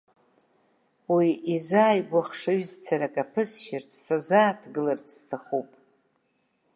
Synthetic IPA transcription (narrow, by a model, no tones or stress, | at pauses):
wiizaːjɡʷaχʂaɥzt͡sʰaɾakʼapʰɨsʃɪrtʰsazaːtʰɡɨlartʰstʰaχupʼ